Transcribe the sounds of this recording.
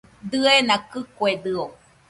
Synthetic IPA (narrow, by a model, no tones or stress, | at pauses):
d̪ɨenãkɨkwed̪ɨo